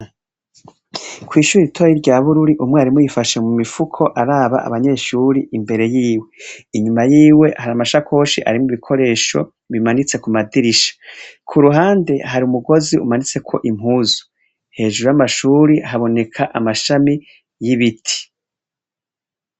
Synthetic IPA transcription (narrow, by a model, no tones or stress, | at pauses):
kʰwiːʃuːɾiɾitʰoːɾiɾɟaːβuɾuɾiʔumŋeaɾimojifaʃemumifukʰo̞ʔaɾaːβa̰ʔa̰βaɲe̞ːʃuːɾiimbe̞ɾe̞jiːwe̞iɲumajiːwe̞haɾamaʃakʰo̞ːʃḭʔa̰ɾimuβikʰo̞ɾe̞ːʃo̞̰ | βimanit͡se̞kumadiɾiʃḁkʰuɾuɦaːnde̞ɦaɾiumuɡo̞ziʔṵmanit͡se̞kʰo̞ʔim̥ɦuːzu̥ | he̞ːʒuɾujamaʃuːɾihaβo̞ne̞kʰaʔamaʃami | jiβitʰi̥